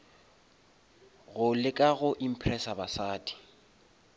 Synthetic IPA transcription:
ɣʊlɪkʼaɣʊʔim̩pʰrɛsabasaːdʼi̥

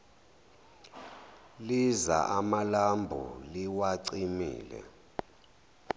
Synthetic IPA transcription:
liza̰ʔamalambʱṵliwaǀimḭːlɛ̰

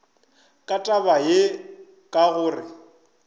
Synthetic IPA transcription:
kʼatʼabaje | kʼaɣʊːrɪ

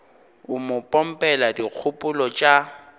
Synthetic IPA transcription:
ʊmʊpʼɔm̩pʼɛladik͡xʰʊpʼʊlɔt͡ʃʼa

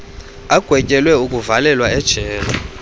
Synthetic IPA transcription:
aɡ̥ʱwɛcʼɛlwɛukʼuvalɛlwaɛd̥ʒ̥ʱɛːla

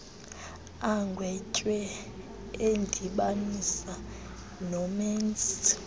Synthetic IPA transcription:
aŋɡʱwɛcʼwɛ | end͡ɮʱiɓanisa | nɔmɛns

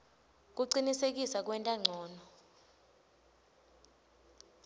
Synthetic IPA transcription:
k̬uǀinisek̬ʼisak̬wɛntʼaŋ͡ǀʱɔːnɔ

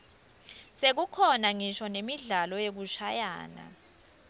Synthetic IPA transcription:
sek̬ukʰɔnaŋiʃɔnemiɮalɔjek̬uʃaja̰ːna̰

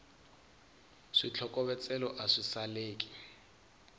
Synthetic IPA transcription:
ʂit͡ɬʰɔkʼɔβɛt͡sʼɛlɔʔaʂisaleːki̥

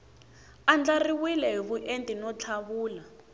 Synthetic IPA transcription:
and͡ɮariwilɛɦiβuʔentʼinɔt͡ɬʰaβuːla

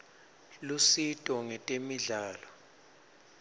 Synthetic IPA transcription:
lusitʼɔŋɛtʼemiɮaːlɔ

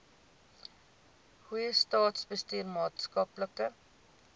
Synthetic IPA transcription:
huɛst̪ɑːt̪sbəst̪yːɾmɑːt̪skɑːpləkə

